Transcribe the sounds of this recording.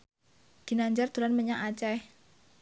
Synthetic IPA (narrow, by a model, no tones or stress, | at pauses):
ɡ̪̥i̤naɲd͡ʒart̪ṳɾanməɲaʔat͡ʃɛh